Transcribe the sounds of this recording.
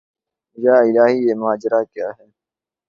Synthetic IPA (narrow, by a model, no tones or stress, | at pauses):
jaːɪlaːɦiːeːmaːd͡ʒɾaːkjaːɦɛː